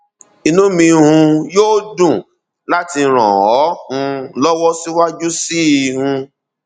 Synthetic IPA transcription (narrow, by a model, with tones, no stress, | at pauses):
i˧nũ˨˦mĩ˧hũ˧joː˦dũ˦˨ | la˦ti˧ɾ̃ã̰˨ɔ˨˦hũ˧lɔ˦wɔ˦si˦wa˦d͡ʒu˦si˦i˧˨hũ˧